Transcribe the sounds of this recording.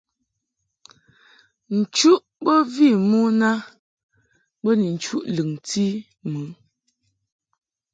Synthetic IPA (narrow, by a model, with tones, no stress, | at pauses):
n̩˨t͡ʃu˦ʔbə˦vi˦˨mu˦na˦ | bə˦ni˨n̩˨t͡ʃu˦ʔlɨ˨ŋti˦ | mɨ˨˦